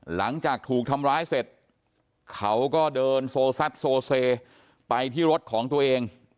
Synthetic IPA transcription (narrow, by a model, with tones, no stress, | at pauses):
la˩˦ŋt͡ɕaː˨˩k̚t̪ʰuː˨˩k̚t̪ʰa˧mɾaː˦˥jse˨˩t̪̚ | kʰa˦˥wkɔː˥˩dɤː˧nsoː˧sa˦˥t̪̚soː˧seː˧ | pa˧jt̪ʰiː˥˩ɾo˦˥t̪̚kʰɔː˩˦ŋt̪u˧ɐ˧ʔeː˧ŋ